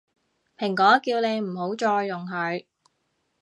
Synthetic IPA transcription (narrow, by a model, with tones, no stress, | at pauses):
pʰɪ˨˩ŋkɔː˨˥kiː˧wne˨˧jm̩˨˩ɦo˨˥wt͡ʃɔː˧jːʊ˨˩ŋɦɵ˨˥ɥ